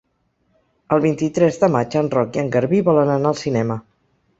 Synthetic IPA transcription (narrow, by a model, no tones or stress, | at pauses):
əlˠβint̪it̪ɾɛzðəmad͡ʒənrɔkiəŋɡəɾβiβɔlənənaəlˠsinɛmə